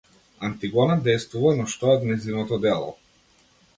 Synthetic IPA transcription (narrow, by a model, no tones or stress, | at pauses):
ant̪iɡɔnad̪ɛjst̪vuvanɔʃt̪ɔɔd̪nɛzinɔt̪ɔd̪ɛlˠɔ̰